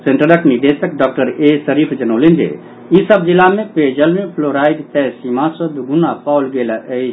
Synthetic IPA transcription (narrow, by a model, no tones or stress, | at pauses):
sẽɳʈəɾəkniɖ̪eːsək̚ɖɔːk̚ʈəɾesəɾiːpʰd͡ʒənoːlend͡ʒḛ | isəbd͡ʒilamẽpeːd͡ʒəlmẽpʰloɾaːid̪t̪ɛsimãsəd̪ɡʊnːapaːlɡeːlaʔəi